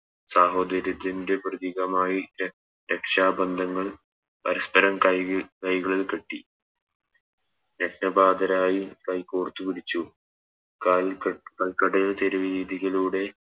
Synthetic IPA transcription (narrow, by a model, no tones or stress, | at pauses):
saːɦo̞ːd̪ɐɾjɐt̪ːinde̞prɐðiɣɐmaːji | ɾekʂaːbɐnd̪ʱɐŋːɐɭ | pɐɾɐspɐɾɐmɐkɐjɣɐɭilkeʈːi | ɾeknɐbaːd̪ɐɾaːjikɐjkːoːrt̪ːupiɽit͡ɕːu | kkɐlkɐɽɐjilt̪eɾuʋiɾiːd̪ʱiɣɐluːɽe̞